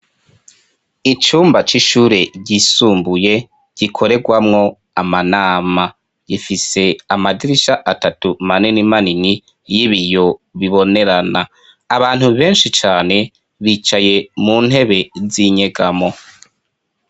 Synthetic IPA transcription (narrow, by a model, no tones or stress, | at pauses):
it͡ʃuːmbat͡ʃiʃuːɾe̞ɟisuːmbuje̞ | ɟ̥ikʰo̞ɾe̞ɡwamŋo̞ | amanaːma | jifise̞amadiɾiʃaʔatatumaninimanini | jiβijo̞βiβo̞ne̞ɾanaː | βaːn̥uβe̞ːnʃit͡ʃaːne̞ | βiːt͡ʃaje̞muːn̥he̞βe̞ziɲe̞ɡamo̞